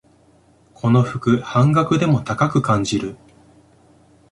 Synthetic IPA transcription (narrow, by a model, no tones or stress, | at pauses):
kʰo̞no̞ɸɯ̟kɯ̟hãŋɡakɯ̟d̪e̞mo̞t̪akakɯ̟kãɲd͡ʑiɾɯ